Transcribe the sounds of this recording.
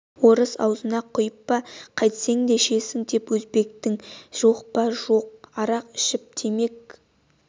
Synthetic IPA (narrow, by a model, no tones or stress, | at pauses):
wo̞ɾəsɑ̰wzənɑqʰʊjəpːɑqʰɑjt̪se̞ŋd̪eʃe̞sɪŋd̪e̞pwɵzbe̞k̚t̪ɪŋʒ̥o̞qpɑʒo̞q̚ɑɾɑqɪ̥ʃɪp̚t̪ʰeme̞k̚